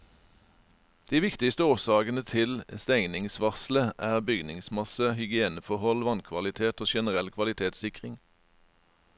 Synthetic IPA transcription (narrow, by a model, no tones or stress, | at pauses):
d̪̥iːʋɪkt̪ɪst̪əoːsɑːɡənət̪ʰɪlst̪ɛŋnɪŋsʋɑʁsləʔæːʁbʏɡnɪŋsmɑsəhʏɡɪeːnəfɔʁhɔlʋɑnkʰʋɑlɪt̪ʰeːt̪oːʃɛnəʁɛlkʰʋɑlɪt̪ʰeːt̪sɪkʁɪŋ